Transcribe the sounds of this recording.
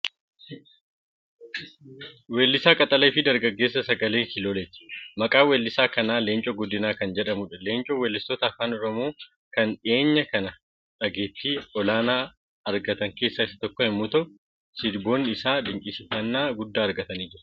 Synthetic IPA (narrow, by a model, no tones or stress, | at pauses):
weːlːɪsaːkʼɐt̪ʼɐleːfɪd̪ɐɾɡɐɡːe̞ːs̬ːɐsɐɡɐleːŋkɪloːleːt̪ɪ̥mɐkʼaːwelːɪsaːkɐnaːleːnt͡ʃʼɔɡɔd̪ːɪnaːkɐnd͡ʒɛᶑɐmʊᶑɐle̞ːnt͡ʃʼowɛlːɪst̪ɔt̪ɐːfaːnɔɾɔmo̞ː | kɐnᶑɪeːɲːɐkɐnɐ | ᶑɐɡeːt̪ːiːɔlaːnaː | ɐɾɡɐt̪ɐŋke̞ːsːaːɪsɐ̥t̪ɔkːɔhɪmːʊt̪ɐ | sɪd̪bo̞ːnːɪsaːd̪ɪŋkʼɪsɪfɐnːaːɡʊd̪ːaːɐɾɡɐt̪ɐniːd͡ʒɪɾɐ